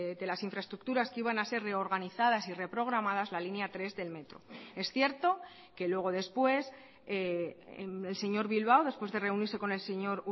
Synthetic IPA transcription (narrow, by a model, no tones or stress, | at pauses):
d̪e̞lasiɱfɾae̞st̪ɾuk̚t̪uɾaskiβ̞anase̞ɾre̞o̞ɾɣaniθað̞asire̞pɾo̞ɣ̞ɾamaðazlalinjat̪ɾe̞zðe̞lme̞t̪ɾo̞̰e̞sθje̞ɾt̪o̞ | ke̞lwe̞ɣ̞o̞ð̞e̞spwe̞s | else̞ɲo̞ɾβilβawðe̞spwe̞zðe̞re̞uniɾse̞ko̞ne̞lseɲo̞ɾ